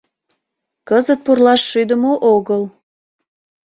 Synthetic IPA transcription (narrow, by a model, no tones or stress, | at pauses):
kəzət̪̚purlɑʃːyd̪əmoʔoɣəl